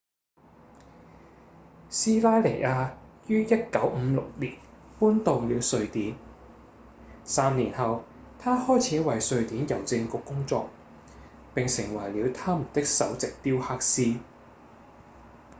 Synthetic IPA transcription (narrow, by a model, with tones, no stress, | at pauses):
siː˥laː˥jle˨˩jʔaː˧jyː˥jɐ˥t̚kɐ˨˥wm̩˨˧lʊ̰˨k̚liː˨˩npuː˥nt̪o˨˧wliː˨˧wsɵ˧ɥt̪iː˨˥n | saː˧mniː˨˩nɦɐ˨w | t̪ʰaː˥hɔː˥jt͡sʰiː˨˥wɐ˨jsɵ˧ɥt̪iː˨˥njɐ˨˩wt͡sɪ˧ŋkʊ˨kːʊ˥ŋt͡sɔ̰ː˧k̚ | pɪ˨ŋsɪ˨˩ŋwɐ˨˩jliː˨˧wt̪ʰaː˥mu˨˩nt̪ɪ˥k̚sɐ̰˨˥wt͡sɪ˨k̚t̪iː˥whaː˥k̚siː˥